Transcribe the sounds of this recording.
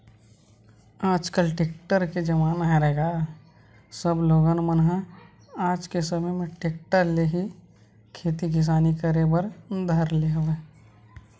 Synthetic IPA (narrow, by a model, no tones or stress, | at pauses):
aːd͡ʒkəlʈeːk̚ʈəɾked͡ʒɐmaːnaɦeɾəɦeːɡaː | səbloːɡənmənɦã | aːd͡ʒkesəməjmẽʈeːk̚ʈəɾleːɦi | kʰeːt̪iɡʱɪs̬aːnikəɾebəɾd̪ʱɐɾleɦʋeː